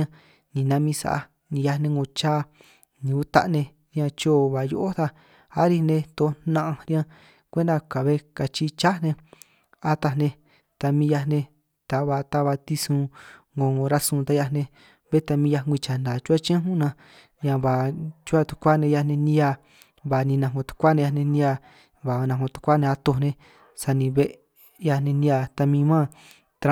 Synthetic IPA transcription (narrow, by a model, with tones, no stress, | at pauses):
ã˧ | nĩ˨nã˧˦mĩ˧sa̰˧˨a̰˧ | nĩ˧ja˧nẽ˧ŋɡõ˧t͡ʃaː˦ | nĩ˧u˦t̪a̰˦ʔnẽ˧ | ɾjã˧t͡ʃo˦˨βa˨jo̰˧ʔo˦t̪a˧ | a˦ɾi˧nẽ˧t̪o˧˦nã˦˧ʔã˧ɾjã˦ | kʷe˦nd̪a˧ka˨βe˦ka˧t͡ʃi˧t͡ʃa˦nẽ˧ | a˧t̪a˧nẽ˧ | t̪a˧mĩ˧ja˧nẽ˧ | t̪a˨βa˧t̪a˧βa˧t̪i˧sũ˧ŋɡõ˧o˧ɾa˦sũː˧t̪a˧˦ja˧nẽ˧ | βe˦t̪a˧mĩ˧ja˧ŋɡʷi˧t͡ʃa˨ndã˨t͡ʃu˦a˦t͡ʃã˦ɦũ˦nã˧ | ɲã˧βa˨t͡ʃu˦a˦˧t̪u̥˧kʷa˦˨nẽ˧ja˧nẽ˧nĩ˧ja˧ | βa˨nĩ˧nã˧˨ŋõ˧t̪u̥˧kʷa˦nẽ˧ja˧nẽ˧nĩ˦˧˦a˧ | βa˨˧nã˧ŋõ˧t̪u̥˧kʷa˦nẽ˧a˧t̪o˧nẽ˧ | sa˧nĩ˧βe˦ʔ | ja˧nẽ˧nĩ˧a˧t̪a˧mĩ˧mã˦ | t̪ɾa˦